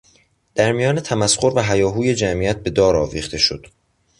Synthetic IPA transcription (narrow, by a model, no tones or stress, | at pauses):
d̪̥æɾmijɒːne̞t̪ʰæmæsxo̞ɾvæɦæjɒːɦuːje̞d͡ʒæmiːjæt̪̚be̞d̪ɒːɾɒːviːχt̪ʰe̞ʃo̞d̪̥